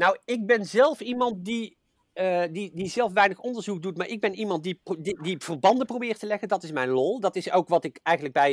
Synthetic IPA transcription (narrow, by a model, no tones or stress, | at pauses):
nɔwɪk̚bɛnzɛlˠfimɑntdi | didizɛlˠfʋɛjnəχɔndəɹzuk̚dutmaːɹʔɪɡ̚bɛnimɑnt̚dididiv̥ərbɑndəprowbɪːrtəlɛɣəndɑtɪsmɛjnlɔlˠdɑtɪsowkʋɑtɪkɛjɣənləɡ̚bɛj